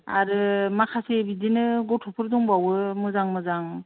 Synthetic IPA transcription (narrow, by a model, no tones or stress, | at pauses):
a̰ɾɯmakʰasebidinɯɡɔtʰɔpʰɯɾdɔŋbawɯmɯzaŋmɯzaŋ